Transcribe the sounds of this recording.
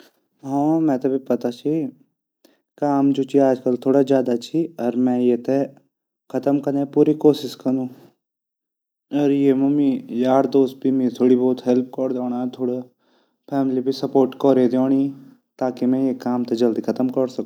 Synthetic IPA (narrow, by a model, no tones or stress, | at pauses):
ɦɔ̃ːmɛ̃t̪ɐbʱipɐt̪at͡ʃʰi | kaːmd͡ʒut͡ʃiaːd͡ʒkɐlt̪ʰoːɽazjaːd̪at͡ʃʰiɔɾmɛ̃jet̪e | kʰɐt̪əmkɐɾnepuːɾikoːsɪskɐnũː | ɔɾjemumijaːɾd̪oːst̪̚bʱimit̪ʰoːɽibɔːt̪ɦɛlp̚kɔɾd̪oːɽ̃at̪ʰoːɽa | pʰɛːmlibʱisɐpoːɾʈkɔːɾed̪eõːɽ̃i | t̪aːkimɛ̃jekaːmt̪ed͡ʒɐld̪ikʰɐt̪əmkɐɾsɐk